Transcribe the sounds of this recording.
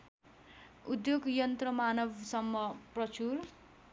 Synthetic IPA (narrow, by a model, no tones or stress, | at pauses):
ud̪joɡjʌnt̪rʌmanʌbsʌmːʌprʌt͡sur